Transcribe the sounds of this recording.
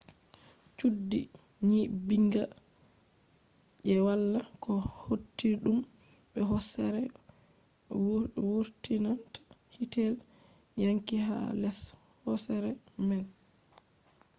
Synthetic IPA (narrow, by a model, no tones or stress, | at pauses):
t͡ʃudːi | ɲibiŋɡa | ʔɛwalːakʰɔhotːiɗum | ɓɛɦɔsɛɾɛ | wwuɾtinantḁ | hitɛl | jaŋkiha̰lɛs | hɔsɛɾɛ | mɛl